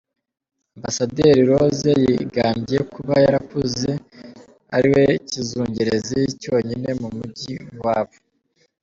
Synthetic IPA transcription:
ambasadeːɾiɾo̞zejiɡaːmbije̞kuβajaɾakuze | a̰ɾiwe̞cizuːɲɟeɾe̞zejico̞ːɲine̞mumuɟiwaːβo

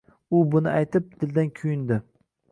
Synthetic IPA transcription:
ʊbʊnɪajt̪ɪp̚d̪̥ɪld̪ankʲʰʊjɪnd̪ɪ

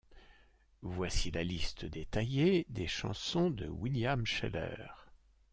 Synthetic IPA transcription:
vwasilalist̪əd̪et̪ajed̪eʃɑ̰̃sɔ̃d̪ə̰wiljamʃɛ̰lœ̰ʁ

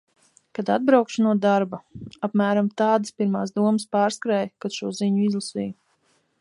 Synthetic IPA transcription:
kad̪ad̪̚bɾawkʃunuɔd̪aɾbaapmæːɾamt̪aːd̪ɨspiɾmaːsd̪uɔmspaːɾskɾɛjkad̪̥ʃuɔziɲuizlˠasḭːj

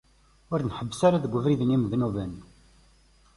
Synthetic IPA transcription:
ʊɾnħəbːsaɾaðəɡʷːəvɾiðnimðnuvən

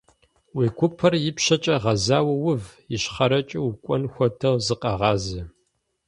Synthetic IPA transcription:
wiːkʷʰʊpʰɐrjɪpʃɐt͡ʃʼɐʁɐzaːwɐwʊvjɪɕχɐɾɐt͡ʃʼɪwkʷʼɔnxʷɔtʰɐwzɨqʼɐʁɑːzɐ

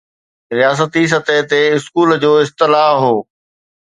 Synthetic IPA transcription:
ɾijaːs̬ət̪is̬ɐt̪eɦt̪eɪskuːld͡ʑoːɪst̪ɪlaːɦɦoː

